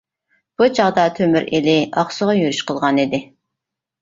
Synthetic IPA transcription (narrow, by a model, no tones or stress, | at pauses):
b̥ut͡ʃʰɑʁd̪ɑt̪ʰømyɾilɪɑχsəʁɑjøɾyʃqəlˠʁɑnid̪ɪ